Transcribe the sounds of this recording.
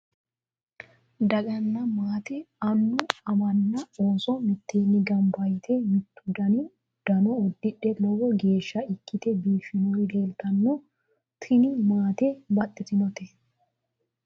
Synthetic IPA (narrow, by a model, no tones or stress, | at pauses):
d̪ɐkʼɐnːɐmaːt̪ɛɐnːʊɐmɐnːɐoːsɔmɪt̪ʰːeːnːɪɡɐmbɐjt̪ʰɛmɪt̪ːʊd̪ɐnɪ | d̪̥ɐnɔɔd̪ːɪɗːɛlɔwɔɡe̞ːʃːɐɪkːɪt̪ɛbiːfɪnɔjd̪eːlt̪ɐnːɔ | t̪ʰɪnɪmaːt̪ɛbɐtːɪt̪ɪnɔt̪e